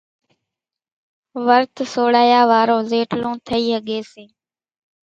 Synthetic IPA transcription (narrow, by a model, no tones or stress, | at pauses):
ʋəɾt̪ʰsoːɽaːjaːʋaːɾõːzeːʈlõːt̪ʰəiːɦəɠeːseː